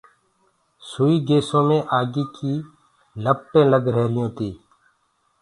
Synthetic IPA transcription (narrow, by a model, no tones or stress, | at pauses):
sʊːiːɡeːsõːmẽːʔaːɡiːkiː | ləpʈẽːləɡɾɛːlɪjõːt̪iː